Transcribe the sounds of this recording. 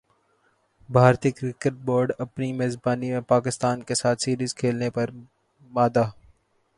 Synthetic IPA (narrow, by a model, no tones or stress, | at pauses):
bʱaːɾt̪ikɾɪkəʈ̚boːɾɖɐpnimeːzbaːnimẽpaːkɪst̪aːnkesaːt̪ʰsiːɾizkʰeːlnepɐɾ | maːd̪aː